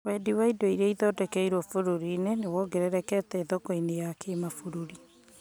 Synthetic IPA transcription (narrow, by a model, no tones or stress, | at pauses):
wɛdiwaidoiɾɛiðɔdɛkɛiɾwɔfoɾoɾinenewɔɡeɾɛɾɛkɛtɛːðɔkɔinejakemafoɾoɾi